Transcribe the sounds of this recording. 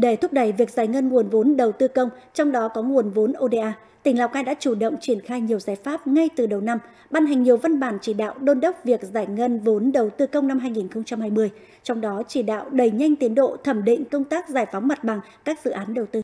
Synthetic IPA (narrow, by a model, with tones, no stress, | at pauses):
ɗe˧˩t̪ʰʊ˦˥k͡p̚ɗə˧˩jvi˨˩ək̚zaː˧˩jŋə˧nŋu˨˩ənvo˨˦nɗə˨˩wt̪ɨ˧kə˧wŋ͡mt͡ɕɔ˧wŋ͡mɗɔ˨˦kɔ˨˦ŋu˨˩ənvo˨˦nʔo˧ɗe˧ʔaː˧ | t̪ï˨˩ŋ̟la˨˩wkaː˧jɗa̰ː˧˥t͡ɕu˧˩ɗə̰˧˨wŋ͡mt͡ɕi˧˩ənxaː˧jɲi˨˩əwzaː˨˩jfaː˦˥p̚ŋa˧jt̪ɨ˨˩ɗə˨˩wna˧m | ɓaː˧nɦa˨˩ŋ̟ɲi˨˩əwva˧nɓaː˧˩nt͡ɕi˧˩ɗa̰ː˧˨wɗo˧nɗə˦˥wk͡p̚vi˨˩ək̚zaː˧˩jŋə˧nvo˨˦nɗə˨˩wt̪ɨ˧kə˧wŋ͡mna˧mɦaː˧jŋi˨˩nxə˧wŋ͡mt͡ɕa˧mhaː˧jmɨ˧əj | t͡ɕɔ˧wŋ͡mɗɔ˨˦t͡ɕi˧˩ɗa̰ː˧˨wɗə˨˩jɲa˧jŋ̟t̪i˨˦ənɗo̰˧˨t̪ʰə˧˩mɗḭ˧˨ŋ̟kə˧wŋ͡mt̪aː˦˥k̚zaː˧˩jfa˨˦wŋ͡mma˨˩t̚ɓa˨˩ŋ | kaː˦˥k̚zɨ̰˧˨ʔaː˨˦nɗə˨˩wt̪ɨ˧